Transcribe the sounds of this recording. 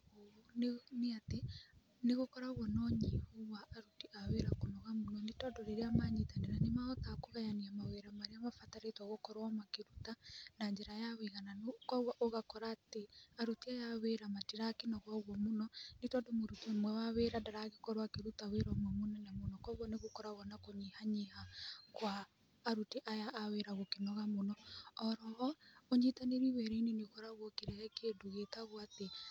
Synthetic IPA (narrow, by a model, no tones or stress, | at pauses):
ooneneate | neɣokɔɾaoɣɔnɔɲehoβaːɾutiʔaweɾakonɔɣamonɔnetɔdoɾeɾeamaɲetaneɾanemaɔt̪akoɣajaniamaweɾamaɾeamafataɾetwaɣokɔɾwamakeɾutanaɲd͡ʒɛɾajawiɣananokwawaʔoɣakɔɾaːteaɾutiajaweɾamatiɾakinaɣwaɣwɔmonɔnetɔndomoɾutiomwɛwaweɾadaɾaɣekɔɾwakeɾutaweɾɔmwɛmonɛnamonɔkwaɣwɔneɣokɔɾaɣɔnakoɲihaɲihakwaː | ɾuteʔajaʔːweɾaɣokenɔɣamonɔɔɾɔɣɔoɲitaneɾiwɛɾenenekɔɾaɣwɔkeɾɛɣɛkeduɣetaɣwate